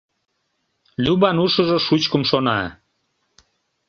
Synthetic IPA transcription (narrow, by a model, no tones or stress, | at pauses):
lʲybɑnuʃəʒoʃut͡ɕkəmʃonɑ̰